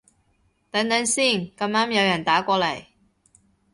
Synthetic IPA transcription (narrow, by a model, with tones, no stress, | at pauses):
t̪ɐ˨˥nt̪ɐ˨˥nsiː˥˩nkɐ˧maː˥mjɐ˨˧wjɐ˨˩nt̪aː˨˥kʷɔː˧lɐ˨˩j